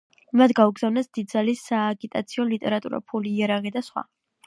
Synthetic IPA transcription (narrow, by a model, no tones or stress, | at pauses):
mad̪ʰɡauɡz̥avnasd̪̥id̪zalisːaːɡit̪ʼat̪sʰiɔlit̪ʼɛɾat̪ʼṵɾa̰pʰuliːaɾaʁid̪asχwa̰